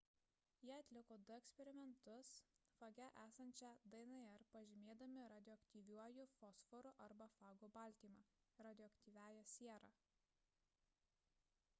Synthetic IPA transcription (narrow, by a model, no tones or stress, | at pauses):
jiɐt̪ʲlʲɪkoːd̪ʊɛksʲpʲɛɾʲɪmʲɛnt̪ʊsfɐɡʲɛʔæːsɐnʲt͡ʃʲɛd̪ɐɪnɐɛɾpɐʒʲɪmʲeːd̪ɐmʲɪɾɐːd̪ʲɪɔːɐkt̪ʲiːʋʲuɔjʊfɔsfɔɾʊʔɐɾbɐfɑːɡobɐˑlʲˑt̪ʲiːmɑɾɐd̪ʲɔːɐkt̪ʲiːʋʲæːjosʲiɛɾɑː